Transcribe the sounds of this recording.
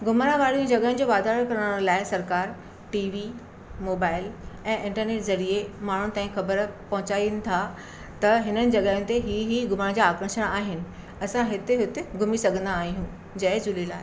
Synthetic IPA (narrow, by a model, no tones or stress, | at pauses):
ɡʊmɾãʋaːɾijũd͡ʑɐɠəɦɪ̃ñ̆d͡ʑoʋaːd̪aːɾəɾkɐɾəɽ̃laːɪsɐɾkaːɾ | ʈiːʋi | moːbaːɪlɛ̃ːʔɪ̃ɳʈəɾneːʈzɐɾiemaːɳ̤ʊnɪ̆t̪aːɦĩkxɐbəɾpɐɦʊ̃t͡ɕaːinɪ̆t̪ʰa | t̪ɐɦɪnənɪ̆d͡ʑɐɠəɦʊ̃nt̪eɦiɦiɡʊmaɽ̃d͡ʑaːkɾə̃ʃəɽ̃aːɦɪnɪ̆ | ɐsãɦɪt̪eɦʊt̪ɪɡʱʊmisɐɡʱə̃nd̪aːɦiɦũ | d͡ʑɐɪd͡ʑʊlelaːɪ